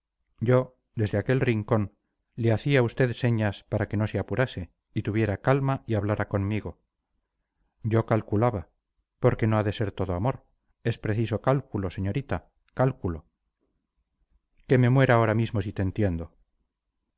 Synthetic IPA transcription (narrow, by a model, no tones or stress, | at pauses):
ɟ͡ʝo̞ | d̪e̞zðeake̞lriŋko̞n | leaθiaust̪e̞ðse̞ɲaspaɾake̞no̞seapuɾase̞ | it̪uβje̞ɾakalmaiaβlaɾako̞nmiɣo̞ | ɟ͡ʝo̞kalkulaβa | po̞ɾke̞no̞aðe̞se̞ɾt̪o̞ðo̞amo̞ɾ | e̞spɾe̞θiso̞kalkulo̞se̞ɲo̞ɾit̪a | kalkulo̞ | ke̞me̞mwe̞ɾao̞ɾamizmo̞sit̪eːnt̪je̞nd̪o̞